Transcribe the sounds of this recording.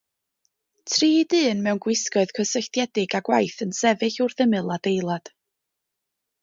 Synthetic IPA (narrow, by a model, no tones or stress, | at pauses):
tʰriːdɨːnmɛwnɡwɪskɔɨðkʰəsəɬtjɛdɪɡaɡwajθənsɛvɨɬʊrðəmɨlˠad̥ejlˠad̥